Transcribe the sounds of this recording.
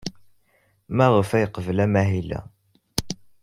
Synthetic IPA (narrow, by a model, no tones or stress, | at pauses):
mæʁəfæjəqəvəlæmæɦilæ̰